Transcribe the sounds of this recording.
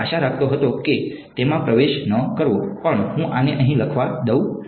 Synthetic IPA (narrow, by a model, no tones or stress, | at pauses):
aʃaɾak̚ʰt̪oɦət̪oke | t̪emãpɾəʋeʃnəkəɾʋopəɳɦũʔaneʔəɦĩləkʰʋad̪əw